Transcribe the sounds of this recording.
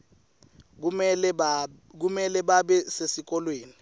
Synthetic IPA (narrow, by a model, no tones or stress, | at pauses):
k̬umɛlɛɓaɓɛsesik̬ɔlweːni